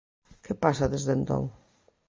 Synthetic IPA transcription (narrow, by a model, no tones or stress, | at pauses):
kepasɐðezðent̪o̰ŋ